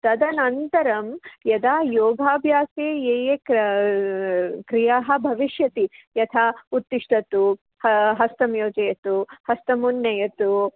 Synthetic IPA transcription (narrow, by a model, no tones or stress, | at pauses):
t̪ɐd̪ɐnɐnt̪ɐɾɐmjɐd̪aːjoːɡʱaːbʱjaːseːeːje | kɾijaːɦɐ̆bʱɐʋiʃjɐt̪ijɐt̪ʰaːut̪ːiʂʈɐt̪u | hɐɦɐst̪ɐmjoːd͡ʒɐjɐt̪uhɐst̪ɐmunːɐjɐt̪u